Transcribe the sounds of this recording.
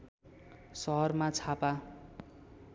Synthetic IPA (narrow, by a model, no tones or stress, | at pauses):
sʌɦʌrmat͡sʰapa